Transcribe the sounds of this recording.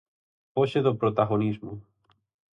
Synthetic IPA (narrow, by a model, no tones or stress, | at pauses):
poʃeðopɾot̪aɣonizmʊ